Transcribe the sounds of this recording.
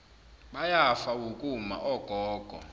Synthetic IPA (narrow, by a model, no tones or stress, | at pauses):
ɓajafawukʼuma̰ʔɔɡ̥ʱɔːɡ̥ʱɔ̰